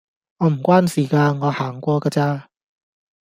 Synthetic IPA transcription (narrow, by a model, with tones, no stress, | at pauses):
ŋɔː˨˧m̩˨˩kʷwaː˥nsiː˨˩kaː˧ŋɔː˨˧haː˨˩ŋkʷɔː˧kaː˧t͡saː˧